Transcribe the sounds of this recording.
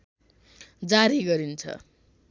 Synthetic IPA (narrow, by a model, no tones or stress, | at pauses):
d͡zaɾiɡʌɾint͡sʰʌ̰